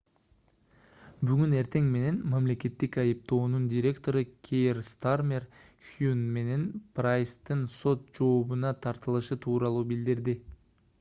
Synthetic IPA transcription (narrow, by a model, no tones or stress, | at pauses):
byɡyne̞ɾt̪e̞ŋme̞ne̞nmamle̞ke̞t̪ːikɑjɯp̚t̪o̞ːnundʲiɾʲe̞kt̪o̞ɾɯkʲʰejrst̪armʲer | xjunme̞ne̞nprajst̪ːɯnso̞t̪̚d͡ʒo̞ːβunɑt̪ʰɑɾt̪ɯlˠɯʃɯt̪ʰuːɾɑlˠuːbild̪iɾd̪i